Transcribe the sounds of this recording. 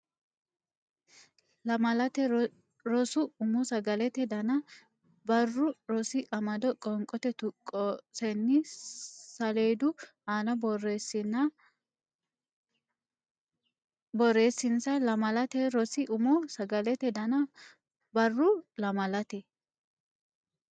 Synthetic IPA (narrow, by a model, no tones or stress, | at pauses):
lɐmɐlɐt̪ɛ | ɾɔsʊʊmɔsɐɡɐlɛt̪ɛd̪ɐnɐ | bɐrːʊɾɔsɪʔɐmɐd̪ɔkʼɔŋkʼɔt̪ɛt̪ʊkʼɔsɛnːɪ | sɐle̞ːd̪ʊ | aːnɐbɔresɪnɐ | bɔrːeːsːɪnsɐlɐmɐlɐt̪ɛɾɔsɪʔʊmɔsɐɡɐlɛt̪ɛd̪ɐnɐ | bɐrːʊlɐmɐlɐt̪ɛ